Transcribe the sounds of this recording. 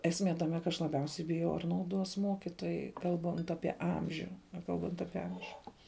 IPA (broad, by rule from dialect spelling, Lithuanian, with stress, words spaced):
ɛsʲˈmʲeː tɐˈmʲɛ kɐ ɐʃ lˠɐˈbʲɛʊsʲɛɪ bʲɪˈjɛʊ ɐr nɐʊˈduɔs ˈmuɔkʲɪtoːjɛɪ ˈkɐlˠbɐnt ˈɑːpʲiɛ ˈɐmʲʒʲʊ ˈnʲæːkɐlˠbɐnt ˈɑːpʲiɛ ˈɐmʲʒʲʊ